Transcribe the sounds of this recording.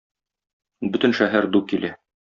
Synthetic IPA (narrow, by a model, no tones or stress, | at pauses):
bɵ̆t̪ɘ̆nʃæɦæɾd̪ukilæ